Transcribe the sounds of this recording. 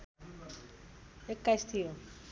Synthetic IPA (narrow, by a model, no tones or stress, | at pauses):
ekːast̪ʰijo